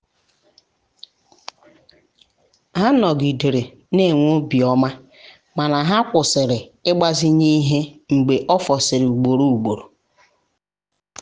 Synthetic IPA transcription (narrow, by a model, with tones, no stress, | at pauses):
ɦa˦nɔ˨ɡi˨de˨ɾe˨ | ne˦˨ŋʷo˦bi˨ɔ˦ma˦ | ma˨na˨ɦa˦kʷʊ˨sɪ˨ɾɪ˨ɪ˦ɡ͡ba˦zɪ˦ɲi˦ɦe˦ŋ͡m̩˨ɡ͡be˨ʔɔ˦fɔ˨sɪ˨ɾɪ˨u˨ɡ͡bo˨ɾo˦u˨ɡ͡bo˨ɾo˨